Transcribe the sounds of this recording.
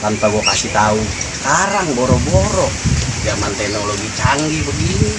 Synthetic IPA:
t̪ampaɡɔkasit̪auskaɾaŋbɔɾɔbɔɾɔd͡ʒamant̪ɛhnɔloɡit͡ʃaŋɡibəɡini

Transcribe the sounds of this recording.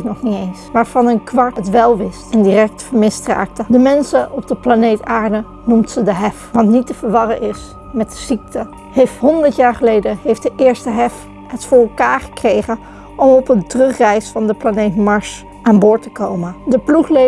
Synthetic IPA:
tnɔχnitejnsʋaːɹv̥ɑnənkʋɑɹtətʋɛlˠʋɪstɛndirɛk̚tfəɹmɪstra̰ːk̚tədəmɛnsəʔɔb̚dəplanejtaːɹdə | numtsədəɦɛfʋɑntnitəvəɹʋɑrəʔɪs | mɛtz̥ik̚tʰə | hejftɦɔndəɹtjaːɹχəlejdəɦejfdəʔɪːɹstəɦɛf | ɦətfʊːɹɛlˠkaːɹχə̥krejχən | ʔɔmɔpəntrɵχrɛjsfɑndəplanejtmɑɹʃ | aːnbʊːɹtəkowməndəpluχle

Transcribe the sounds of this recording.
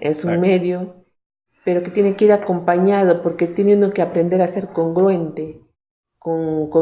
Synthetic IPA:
esuŋmeðjo | peɾoket̪jenekeiɾakompaɲað̞opoɾket̪jeneũnokeapɾend̪eɾaseɾkoŋɡɾwent̪e | koŋko

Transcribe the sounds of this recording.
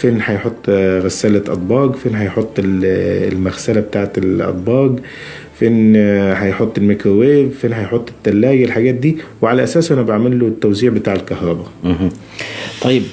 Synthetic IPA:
fenħɑjħot̪ˤːɣæsːæːlæʔɑ̰d̪ˤbɑːɡfeːnħɑjħot̪ˤːellmæɣsælæbet̪aːʕet̪lʔɑ̰d̪ˤbɑːɡ | fenħɑjħot̪ˤːelmekɾoweːbfeːnħɑjħot̪ˤːe̥t̪ːælːæːjelħaɡæːt̪̚d̪iːweʕalæʔæsæːsʔænæbaʕmælːot̪ːæwziːʕbet̪aːʕelkɑhɾˤɑbæ | t̪ˤɑjːeb

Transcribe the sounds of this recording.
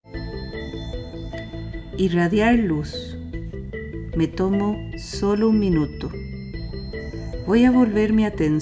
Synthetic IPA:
iraðjaɾlus | met̪omosolouŋmĩnut̪o | bojaβolβeɾmeat̪en

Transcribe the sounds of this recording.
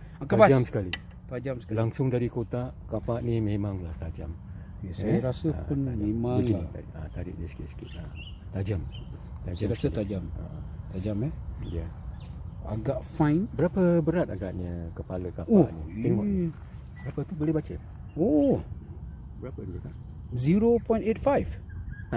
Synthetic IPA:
taaad͡ʒamsə̥kali | t̪ad͡ʒamsklaŋsʊŋdaɾikot̪akapaʔnimẽmaŋlaht̪ad͡ʒa̰m | kesajaɾasəpʊnmemãŋnit̪aʔat̪aɾɪ̰ʔdəsə̥kisə̥kɪ̰t̪̚a | t̪ad͡ʒam | t̪ad͡ʒaasət̪ad͡ʒamat̪ad͡ʒamɛjə | a̰ɡaʔfãjnbəɾapəbəɾat̪̚aɡaʔɲəkəpaləkapoaʔnit̪eŋɔʔ | bəɾapət̪ubəlehbat͡ʃə | o | bəɾapəka | ziɾopɔjnet̚fajf

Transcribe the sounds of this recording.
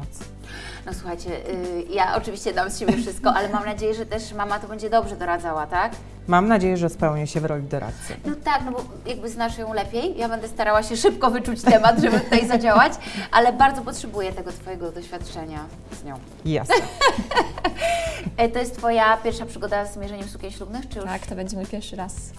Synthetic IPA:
nɔswuxajt͡ɕɛjaʔɔ̰t͡ʂɨvʲiɕt͡ɕɛd̪amst͡ɕebʲɛfʂɘst̪̚kɔʔalɛmamnad͡ʑejɛʐɛt̪ɛʂmamat̪ɔbɛɲd͡ʑɛd̪ɔbʐɛd̪ɔɾad̪zawat̪ak | mamnad͡ʑejɛʐɛspɛwɲɛɕɛvɾɔlʲid̪ɔɾa̰t̪sɛ̰nɔt̪aknɔbɔ | jaɡ̚bɘznaʂjɔ̃w̃lɛpʲjejjabɛnd̪ɛst̪aɾawaɕɛʂɘp̚kɔvɘt͡ʂut͡ɕt̪ɛmad̪ʐɛbtɘt̪ut̪ajzad͡ʑawat͡ɕʔa̰lɛbaɾd̪zɔpɔtʂɛbujɛt̪ɛɡɔt̪fɔjɛɡɔd̪ɔɕfʲjat̪t͡ʂɛɲa | z̥ɲɔ̃w̃ | ja̰s | t̪ɔjɛst̪fɔjapʲjɛɾfʂapʂɘɡɔd̪azmʲjɛʐɛɲɛfsukʲɛ̃j̃ɕlubnɘxt͡ʂɨjuakt̪ɔbɛɲd͡ʑɛmɘpʲjɛɾʂɘɾas

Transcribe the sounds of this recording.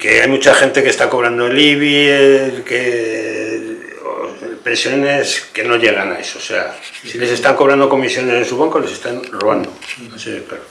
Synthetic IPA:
ke̞ajmut͡ʃaxe̞nt̪e̞kest̪ako̞β̞ɾand̪oeliβi | ke | o̰pɾesjo̞ne̞ske̞no̞ʎe̞ɣ̞ana̰esose̞̰a̰sile̞se̞st̪aŋko̞βɾand̪o̞ko̞misjo̞ne̞se̞nsuβaŋkole̞se̞st̪anroβand̪o | sipeɾo

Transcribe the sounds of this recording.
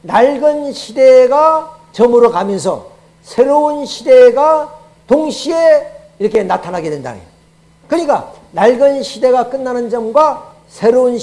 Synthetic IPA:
naɭɡɯnɕʰide̞ɡa | t͡ɕʌmɯɾokamjʌns̬ʰʌ̰ | sʰe̞ɾounɕʰide̞ɡa | toŋɕʰie | iɾʌkʰe̞natʰanɦaɡe̞dwenda̰nḛ | kɯɲik͈a̰ | naɭɡɯnɕʰide̞ɡak͈ɯnːanɯnd͡ʑʌmɡwa | sʰe̞ɾoun

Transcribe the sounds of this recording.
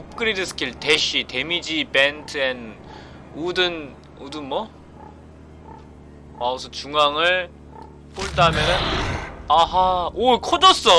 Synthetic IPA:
p̚k͈ɯɾedɯsʰɯ̥kʰiɭteɕʰite̞mid͡ʑibentʰɯen | odɯn | odɯnmʌ | maosʰʌt͡ɕuŋaŋɯɭ | poɭt͈amjʌnɯnaɦaokʰodʌs͈ʌ

